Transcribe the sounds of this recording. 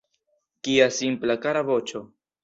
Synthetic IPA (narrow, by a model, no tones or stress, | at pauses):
kiasimplakaɾavo̞t͡ʃo̞